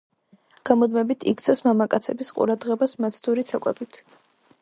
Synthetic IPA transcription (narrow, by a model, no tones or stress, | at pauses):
ɡ̥amɔd̪mɛbit̪ʰḭk̚ʰt̪sʰɛfsmamakʼat̪sʰɛbisqʼṵɾad̪ʁɛbasmat̪sʰd̪uɾit̪sʰakʼɛ̰bit̪ʰ